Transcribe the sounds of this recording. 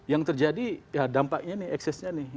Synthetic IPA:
jaŋt̪ərd͡ʒadijadampak̚ɲanɪhɛksɛsɲanɪh

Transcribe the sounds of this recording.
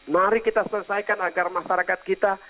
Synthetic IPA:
naɾikit̪asələsajkanaɡarmaʃaɾakat̪̚kit̪a

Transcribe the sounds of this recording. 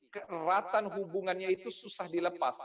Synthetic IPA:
kərat̪anɦubuŋanɲait̪ususahdiləpas

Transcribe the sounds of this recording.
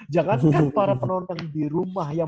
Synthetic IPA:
d͡ʒaŋankapaɾapənɔnt̪ɔŋdiɾumahja

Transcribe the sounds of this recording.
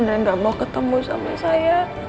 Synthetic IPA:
naŋɡaʔmaukət̪əmusa̰masaja

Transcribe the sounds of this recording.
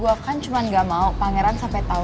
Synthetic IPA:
uakant͡ʃumanɡamaupaŋɛɾansampɛt̪a

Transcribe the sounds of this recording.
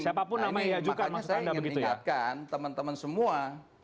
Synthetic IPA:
siapapʊnnːamaɲjad͡ʒuɡamasuandabəɡit̪ujat̪̚kant̪əmənt̪əmənsəmua

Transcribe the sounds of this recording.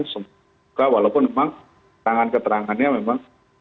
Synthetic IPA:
nsəm | ukawalawpʊnmemaŋ | t̪ɾaŋankət̪əɾaŋanɲamemaŋ

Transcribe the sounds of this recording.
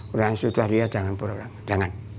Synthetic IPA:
uɾaŋsut̪ahdiad͡ʒaŋanpuɾauɾaŋd͡ʒaŋan

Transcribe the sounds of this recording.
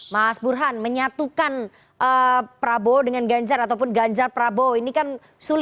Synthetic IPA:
maasburɦanməɲat̪ukan | ʔəpəɾabodəŋanɡaɲd͡ʒaɾat̪awp̬ʊnɡaɲd͡ʒarpəɾaboinikan | sulɪ

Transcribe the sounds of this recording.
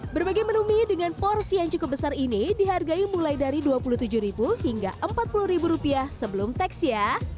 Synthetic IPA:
bərbaɡajmənumidəŋanpɔrsijaŋt͡ʃukʊp̚bəsarinidiɦarɡaimulajdaɾiduapuluht̪ud͡ʒʊhɾibuɦiŋɡa̰ʔəmpat̪̚puluhɾibuɾupiahsəbəlʊmt̪ɛksja

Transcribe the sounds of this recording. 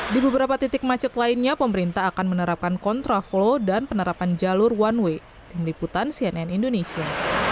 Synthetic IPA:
dibəbəɾapat̪it̪ɪk̚mat͡ʃət̪lainɲapəməɾint̪aɦːkanmənəɾap̚kankɔnt̪ɾaflodanpənəɾapand͡ʒalʊrwanwe | t̪ɪmliput̪ansiɛnɛnindonesia

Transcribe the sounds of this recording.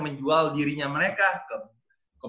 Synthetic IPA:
məɲd͡ʒualdiɾiɲaməɾekakəm | kə

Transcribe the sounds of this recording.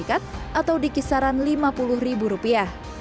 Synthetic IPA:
ikat̪̚ʔat̪awdikisaɾanlimapulʊhribuɾupiah

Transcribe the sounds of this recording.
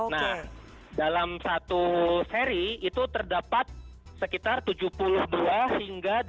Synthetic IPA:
nah | dalamsat̪useɾiːt̪ut̪ərdapat̪̚səkit̪art̪ud͡ʒupulʊhduahiŋɡa

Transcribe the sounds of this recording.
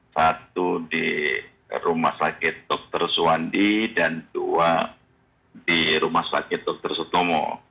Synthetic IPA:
sat̪̚udi | ɾuma̰hsakɪt̪̚dɔk̚t̪ərsuandidandua | diɾumahsakɪt̪̚dɔk̚t̪ərsɔt̪omɔ̰

